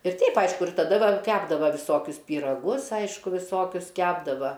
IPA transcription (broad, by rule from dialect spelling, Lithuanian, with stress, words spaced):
ɪr ˈtʲɛɪp ˈɐɪʃkʊ ɪr tɐˈdɐ ˈɡɐlˠ ˈkʲæːbdɐʋɐ ʋʲɪˈsoːkʲʊs pʲiːrɐˈɡʊs ˈɐɪʃkʊ ʋʲɪˈsoːkʲʊs ˈkʲæːbdɐʋɐ